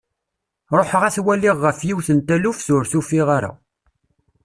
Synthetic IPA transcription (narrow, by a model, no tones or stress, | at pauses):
ɾˤoħəʁæθwælːiʁːəfjiwθənt̪ælufθʊɾθufiʁaɾa̰